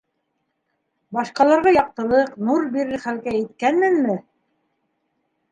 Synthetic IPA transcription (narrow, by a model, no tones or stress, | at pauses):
bɑʃqɑlˠɑɾʁɑjɑq̚t̪ɤ̆lˠɤqnuɾbiɾɘɾχælkæɘ̆t̪kænmɘnmɘ